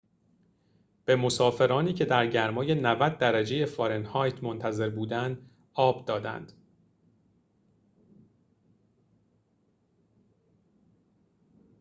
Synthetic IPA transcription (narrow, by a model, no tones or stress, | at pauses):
b̥e̞mo̞sɒːfe̞ɾɒːniːcʰe̞d̪æɾɟæɾmɒːje̞nævæd̪̚ːæɾæd͡ʒe̞je̞fɒɾenhɒːjt̪ʰmo̞nt̪ʰæze̞ɾbuːd̪ænd̪ | ɒːbd̪ɒːd̪æ̰nd̪̥